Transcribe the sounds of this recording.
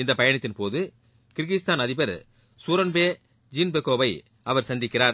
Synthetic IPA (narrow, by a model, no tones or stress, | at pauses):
ɪnd̪ɐpɐjɐɳɐt̪ːɪnpoːðɯ | kɪɾɣɪst̪aːnɐðɪbɐɾ | suːɾɐnbeː | d͡ʒiːnbɛkːoːʋɐɪ | ɐʋɐɾsɐnd̪ɪkːɪraːɾ